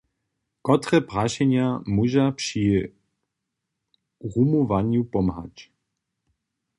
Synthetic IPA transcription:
kɔt̪ɾɛpɾaʃɛɲjamuʒapʂi | ʁumuvaɲjupɔmɦa̰c

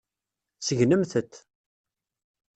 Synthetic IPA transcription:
səʝnəmθət̪ː

